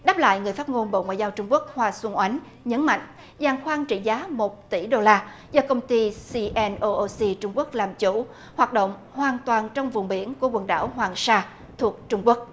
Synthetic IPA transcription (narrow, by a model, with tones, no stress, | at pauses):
ɗaː˦˥p̚la̰ː˧˨jŋɨ˨˩əjfa˦˥t̚ŋo˧nɓo̰˧˨ŋwa̰ː˧˨jzaː˧wt͡ɕʊ˧ŋ͡mku˦˥ək̚hwaː˧swə˧nʔwa˨˦ŋ̟ | ɲə˨˦nma̰˧˨jŋ̟ | zaː˨˩ŋxwaː˧ŋt͡ɕḭ˧˨zaː˨˦mo˨˩t̚t̪i˧˩ɗo˧laː˧ | zɔː˧kə˧wŋ͡mt̪i˧si˧ʔɛ˧nʔo˧ʔo˧si˧t͡ɕʊ˧ŋ͡mku˦˥ək̚laː˨˩mt͡ɕṵ˧˩ | hwaː˨˩t̚ɗo̰˧˨wŋ͡m | hwaː˨˩nt̪waː˨˩nt͡ɕɔ˧wŋ͡mvʊ˨˩ŋ͡mɓi˧˩ənku˧˩əkwə˨˩nɗa̰ː˧˩wɦwaː˨˩ŋsaː˧ | t̪ʰu˨˩ək̚t͡ɕʊ˧ŋ͡mku˦˥ək̚